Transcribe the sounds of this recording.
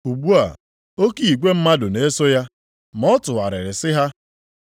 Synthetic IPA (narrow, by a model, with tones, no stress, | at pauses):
u˨ɡ͡bu˦a̰˨ | o˦ki˨i˨ɡʷe˦m̩˦ma˦dʊ˨ne˦so˦ja˦ | m˦ɔ˦tʊ˨a̰˨ɾɪ̰˨ɾɪ˨sɪ˦ɦa˦